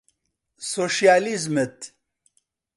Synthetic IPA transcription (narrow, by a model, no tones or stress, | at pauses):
soʃjaːlizmet̪